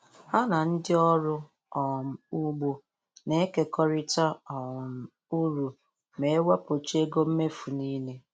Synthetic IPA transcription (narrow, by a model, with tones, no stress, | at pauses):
a˦na˨n̩˦dɪ˦ɔ˦ɾʊ˦ | ɔ˨m̩˨u˦ɡ͡bo˦ | ne˦ke˦kɔ˦ɾɪ˦ta˦ɔ˨m̩˨ | u˦ɾu˨ | me˨e˦wa˦po˨t͡ʃe˦ɡo˦m̩˦me˦fu˨niː˦le˦